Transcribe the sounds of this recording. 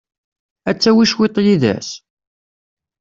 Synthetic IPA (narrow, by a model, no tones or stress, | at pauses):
æt͡sːæwiʃwet̪ˤjiðæ̰s